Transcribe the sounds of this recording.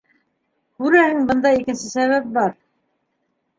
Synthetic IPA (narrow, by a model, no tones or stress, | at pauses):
kʉɾæhɘŋbɤ̆nd̪ɑikɘ̆nsɘsæβæp̚bɑɾ